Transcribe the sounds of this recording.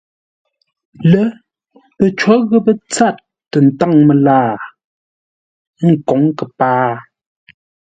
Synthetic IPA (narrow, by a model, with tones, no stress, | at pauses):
lə˦ | pə˨t͡ʃwɔ˨˦ɣə˦pə˦t͡sa˦˨tː | ə˨n˨ta˦˨ŋmə˨laː˦˨˦ | ŋ̩˨kɔ˨˦ŋkə˨paː˦